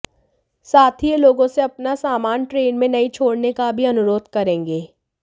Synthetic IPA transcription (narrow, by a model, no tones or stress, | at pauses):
saːt̪ʰieloːɡõseɐpnasaːmaːnʈɾeːnmẽnɐit͡ʃʰoːɽnekabʱiɐnʊɾoːd̪kɐɾẽːŋɡeː